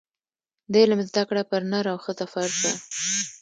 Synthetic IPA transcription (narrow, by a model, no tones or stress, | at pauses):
d̪ajlamɪzd̪akɽapəɾnaɾawxət̪afaɾd̪a